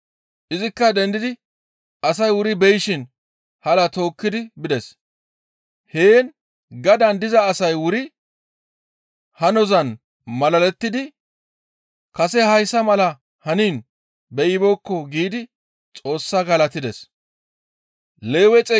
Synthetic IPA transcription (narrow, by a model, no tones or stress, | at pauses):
ʔɪzɪkːɐd̪ɛnd̪ɪd̪ɪ | ɐsɐjwʊɾɪbɛjɪʃɪn | hɐlɐt̪o̞ːkːɪd̪ɪbɪd̪ɛs | heːn | ɡɐd̪ɐnd̪ɪzɐːsɐjwʊɾɪ | hɐnɔzɐn | mɐlɐlɛt̪ːɪd̪ɪ | kɐsɛhɐjsɐmɐlɐ | hɐniːn | bɛjɪboːkːɔɡiːd̪ɪ | t͡sʼo̞ːsːɐɡɐlɐt̪ɪd̪ɛs | leːwɛt͡sʼɛ